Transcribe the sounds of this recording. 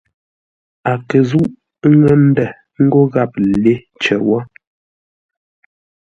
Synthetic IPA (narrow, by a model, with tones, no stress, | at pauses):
a˨kə˨zu˦ʔ | ŋə˦n̩˦dɛ˨ | ŋ̩˦ɡo˦ɣa˦˨p̚le˦ | t͡ʃɛ̰˨wɔ˦